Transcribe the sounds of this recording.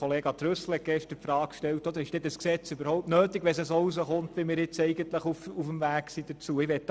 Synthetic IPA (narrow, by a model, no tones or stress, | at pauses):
ɔleːɡɑt̪ɾøsl̩ɛtɡ̥ɛʃtəpfɾɑːkʃtɛltɔd̪əɾɪʃd̥ɛtəsksɛt͡sybəɾhɔʊp̚tnøːt̪iɡʋɛsɛsousəχʊnt̪ʋɪmɪːɾɪt͡sɛɪɡənt̪ləχufufəmvæːksid̥̪ət͡suəɪʋɛt